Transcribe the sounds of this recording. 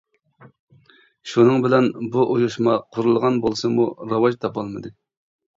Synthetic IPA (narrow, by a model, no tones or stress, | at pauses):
ʃunɨŋbɪlɛnbuʔujuʃmɑqʰʊɾulˠʁɑnbolˠsɨmuɾɑwɑʒt̪ʰɑpɑlˠmɨd̪ɨ